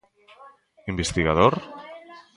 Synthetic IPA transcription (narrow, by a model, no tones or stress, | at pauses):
imbest̪iɣað̞oɾ